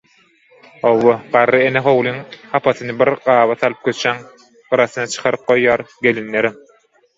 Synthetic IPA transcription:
owːoɢɑɾːɯeneɦowlˠiŋhɑpʰɑθɯnɯbiɾɢɑːβɑθɑlˠɯp̚kʲʰøt͡ʃæŋ | ɯɾɑθɯnɑt͡ʃʰɯ̥qʰɑɾɯp̚qo̞jːɑːɾɡelinːeɾim

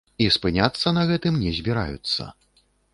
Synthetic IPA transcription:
ispɨnʲat̪sːɐnɐɣɛt̪ɨmnʲɛzʲbʲiɾa̰jṵt̪sːɐ̰

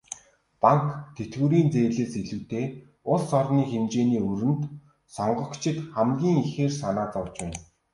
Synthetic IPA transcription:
paŋkt̪ʰet̪ɡuːɾiːnt͡seːɮeːseɮuːt̪eː | ʊɮsɔrniːxemt͡ɕeːniːɵɾɘ̆nt̪ | sɔɴɢɞ̆kt͡ɕʰɪ̆t̪χæmɡʲiːŋixeːrsanaːt͡sɔwt͡ɕpæːn

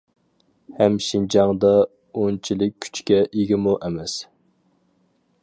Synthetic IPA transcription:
hɛmʃind͡ʒɑŋd̪ɑ | ont͡ʃʰilɪkʲːʰy̥t͡ʃkʲɛʔiɡʲɪmuʔɛmɛs

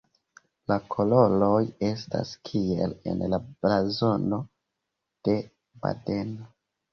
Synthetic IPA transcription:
lakʰo̞lo̞lo̞je̞sta̰skʰie̞̰le̞̰nlablazo̞no̞ | d̥e̞ | ba̰de̞no

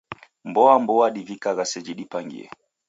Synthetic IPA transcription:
mbɔambɔwaɗivikaɣasɛd͡ʒiɗipaŋɡḭɛ̰

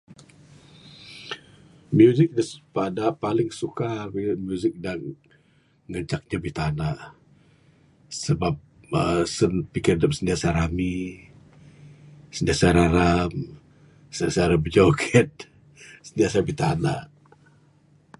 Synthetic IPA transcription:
mjuzɪk̚dapadapalɪŋsukabimjuzɪk̚daŋ | ŋəɲt͡ʃak̚ɲabit̪anaʔ | səbap̚ | əsənpikɪrdəp̚səndiasaɾami | səndiasaɾaɾam | səniasaɾabəd͡ʒokʰɛt̪̚ | səndiasabit̪ana̰ʔ

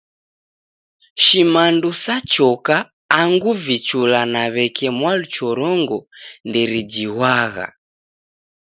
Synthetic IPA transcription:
ʃimandusat͡ʃɔkaː | ŋɡuvit͡ʃulanaβɛkɛmwalut͡ʃɔɾɔŋɡɔndɛɾid͡ʒiwaɣa̰

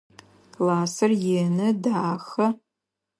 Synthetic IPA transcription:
laːsɨrjenɨdaːxɐ

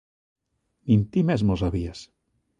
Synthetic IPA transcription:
nint̪imezmosaβias

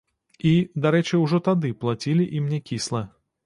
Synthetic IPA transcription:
id̪aɾɛt͡ʂɨwʐɔt̪ad̪ɨplˠat͡sʲilʲiʔimnʲɛkʲislˠɐ

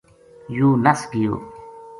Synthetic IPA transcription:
juːnɐsɡijo̰ː

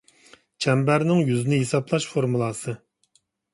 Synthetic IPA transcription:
t͡ʃʰɛmbæɾnɪŋjyzɪnɪɦesɑplˠɑʃfoɾmulˠɑsɨ

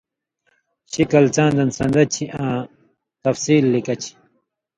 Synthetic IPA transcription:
ɕikɐlt͡sãːnd̪ɐnsɐ̃nd̪ɐt͡ɕʰiʔãː | t̪ɐfsiːlːikɐt͡ɕʰi̥

